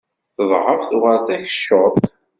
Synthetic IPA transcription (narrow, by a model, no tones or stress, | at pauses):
θəðˤʕəfθuʁəɾθæçə̥ʃo